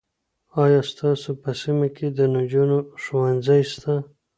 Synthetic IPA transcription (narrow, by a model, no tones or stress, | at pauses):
ɑjɑst̪ɑsopəsimakʰed̪ənad͡ʒunoʃowanzajst̪a